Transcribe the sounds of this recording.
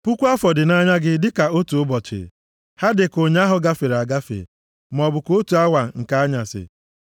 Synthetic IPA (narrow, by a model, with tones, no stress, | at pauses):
pu˦kʷu˦a˦fɔ˨dɪ˨na˦ɲa˦ɡɪ˦dɪ˦ka˨o˦tu˨ʊ˦bɔ˨t͡ʃɪ̰˨ | ha˦dɪ˨ko˨ɲ˦a˦ɦʊ˨ɡa˦fe˨ɾa˨ɡa˦fḛ˨ | m˨ɔ˨bʊ˨ko˦tu˨a˦wa˨ŋ̩˨ka˦a˦ɲa˨sɪ̰˨